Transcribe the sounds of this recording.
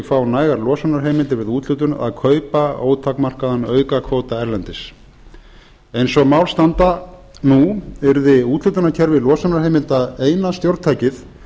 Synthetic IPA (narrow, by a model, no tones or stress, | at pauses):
fawnaːjɣaɾlɔːsanaɾ̥ɦejmɪlt̪ɪɾvɪðuːt̪ʰlʏt̪̬ʏna̰ðkʰœːɥpao̰ːwt̪ʰawkmar̥kaðanœːɥkakʰoːwt̪aɛɾlɛnt̪ɪs | ejnsɔɣmawlst̪ant̪a | nuɛɾðɪuːt̪lʏt̪ʏnacʰɛɾvɪlɔːsanaɾ̥hejmɪlt̪aðeːjnast̪jowɾt̪t̪ʰaːjcɪθ